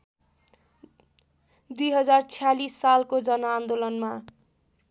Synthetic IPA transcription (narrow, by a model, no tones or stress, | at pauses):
d̪ujɦʌd͡zart͡sʰijalisːalkod͡zʌnʌand̪olʌnma